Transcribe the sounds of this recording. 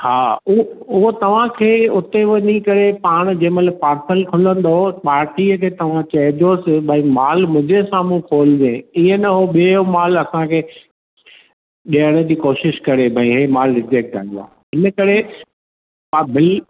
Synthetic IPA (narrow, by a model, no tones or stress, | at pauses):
haːʊʊɦot̪ɐʋ̤ãkʰeːʊt̪eʋɐnikɐɾepaːɽ̃d͡ʑẽːmɐt̪ləb̚paːɾsəlkʰʊlə̃n̆d̪opaːɾʈiːəkʰeːt̪ɐʋ̤ãt͡ɕɐɦɪd͡ʑosɪbʱãĩmaːlmʊ̃d͡ʑesãːmũpʰoːld͡ʑẽːɪẽnɐɦoɓieomaːlɐsãkʰeː | ɗiəɽ̃ə̆d͡ʑiːkoːʃɪʃkɐɾebʱɐ̃ĩɦeːmaːlɾɪd͡ʑek̚ʈa̰ːɪ̃nd̪a̰ː | ɪnəkɐɾe | abɪl